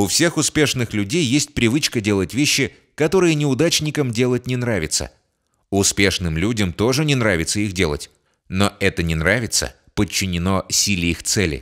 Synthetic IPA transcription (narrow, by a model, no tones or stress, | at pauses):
ʊfsʲe̞xʊspʲe̞ʂnɨxlʲʉdʲejːesʲt̚ʲpɾʲɪvɨt͡ɕkədʲe̞lˠətʲvʲeɕːɪ | kɐt̪o̞ɾɨjənʲɪʊd̪at͡ɕnʲɪkəmdʲe̞lˠət̚ʲnʲɪnɾavʲɪt̪sə̰ | ʊspʲe̞ʂnɨmlʲudʲəmt̪o̞ʐɨnʲɪnɾavʲɪt̪səixdʲe̞lˠə̰tʲ | noɛt̪ənʲɪnɾavʲɪt̪sə̰ | pət͡ɕːɪnʲɪnosʲilʲɪixt̪sɛlʲɪ̰